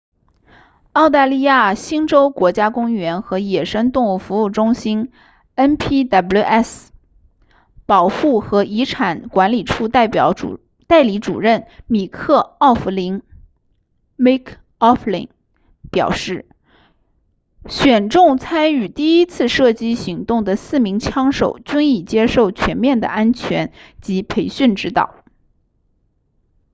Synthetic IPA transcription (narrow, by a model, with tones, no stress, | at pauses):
ɑ˥˧ʊt̪a˥˧li˥˧ja˥˩ɕi˥ŋʈ͡ʂo˥ʊkwɔ˧˥t͡ɕja˥kʊ˥ŋɥɛ˧˥nxɤ˧˥jɛ˨˩ʂə˥ŋt̪ʊ˥˧ŋu˥˩fu˧˥u˥˩ʈ͡ʂʊ˥ŋɕi˥n | ə˥npʰi˥t̪ɑ˧˥blu˥˧ʔɛ˥˩s | pɑ˨˩ʊxu˥˩xɤ˧˥i˧˥ʈ͡ʂʰa˨˩˦nkwa˧˥nli˨˩ʈ͡ʂʰu˥˧t̪a˥˩ɪpjɑ˧˩˥ʊʈ͡ʂṵ˨ | t̪a˥˩ɪli˧˥ʈ͡ʂṵ˨˩ɻə˥˩nmi˨˩kʰɤ˥˧ɑ˥˩ʊfu˧˥li˧˥ŋ | me˥ɪkʰ | ɔ˥flḭ˧˥ŋ | pjɑ̰˨˩ʊʂɻ̩˥˩ | ɕɥɛ˨˩nʈ͡ʂʊ˥˧ŋt͡sʰa˥ny˥˩t̪i˥˩i˥t͡sʰɹ̩˥˧ʂɤ˥˩t͡ɕi˥ɕi˧˥ŋt̪ʊ˥˩ŋd̪ə˩sɹ̩˥˩mi˧˥ŋt͡ɕʰjɑ˥ŋʂo˨˩ʊt͡ɕy˥ni˥˩t͡ɕjɛ˥ʂo˥˩ʊt͡ɕʰɥɛ˧˥nmjɛ˥˩nd̪ə̰˩ʔa˥nt͡ɕʰɥɛ˧˥nt͡ɕi˧˥pʰe˧˥ɪɕy˥˩nʈ͡ʂɻ̩˧˥t̪ɑ̰˨˩˦ʊ